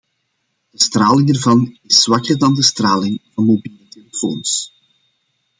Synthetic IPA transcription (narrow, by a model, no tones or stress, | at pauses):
d̥əst̪raːlɪŋərvɑnɪswɑkərdɑndəst̪raːlɪŋvɑnmobiːləteləfo̰ːns